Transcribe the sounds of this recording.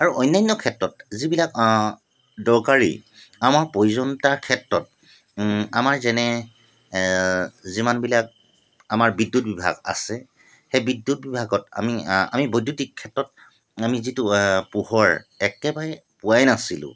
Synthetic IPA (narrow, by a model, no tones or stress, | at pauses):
aɹuʔɔjnːajnːɔkʰɛtɹɔtzibilak | dɔɹkaɹḭ | amaɹpojzɔntaɹkʰɛtɹɔt̚ | amaɹzɛnɛ | zimanbilak̚ | amaɹbidːut̚bibʱa̰ɡa̰sɛ | xɛbidːut̚bibʱaɡɔta̰mia̰mibojdutikʰːɛtɹɔt̚ | amizitupuhɔɹɛkɛbaɹɛ | puwajnasilʊ̰̃